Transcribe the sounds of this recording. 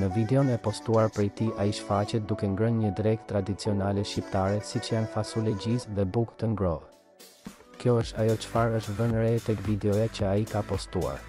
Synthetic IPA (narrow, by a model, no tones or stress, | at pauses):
nəvid̪ɛɔnɛpɔst̪uaɾpɾɛjt̪iʔaiʃfacɛt̪̚d̪ukɛŋɡɾənɲəd̪ɾɛkt̪ːɾad̪it͡siɔnalɛʃcip̚t̪aɾɛsit͡ʃəjanfasulɛɟisðɛbukt̪əŋɡɾɔð | kjɔəʃt̪ajɔt͡ʃə̥faɾəʃt̪ðənɾɛt̪ɛkvid̪ɛɔjat͡ʃəaikapɔst̪ua̰ɾ